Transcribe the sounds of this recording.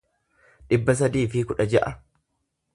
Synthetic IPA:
ᶑɪbːɐs̬ɐd̪iːfɪkʊᶑɐd͡ʒɐʔɐ

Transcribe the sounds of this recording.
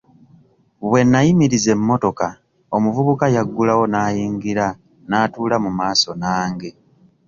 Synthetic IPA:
βwe̞nːajimiɾize̞mmːo̞to̞ka | o̞muvuβukajaɡːulawo̞naːjiːŋɡiɾa | naːtuːlamumaːso̞naːŋɡe̞

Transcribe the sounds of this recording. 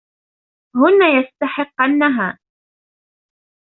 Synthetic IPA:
hʊnːaːjast̪aħɪqːanːaɦaː

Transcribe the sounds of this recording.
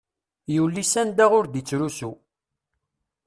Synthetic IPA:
juwlːisænd̪æʁʊɾd̪it͡sːɾusu

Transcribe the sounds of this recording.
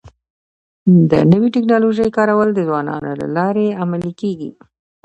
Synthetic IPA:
d̪ə̰nəwiʈɪknɑloʒəjkɑɾawəld̪əzwɑnɑ̰nola̰lɑɾeamalikeɡḭ

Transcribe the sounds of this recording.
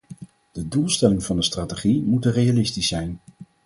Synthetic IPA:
d̥ədulˠstɛlɪŋv̥ɑndəstraːteχimutərejalɪstisːɛjn

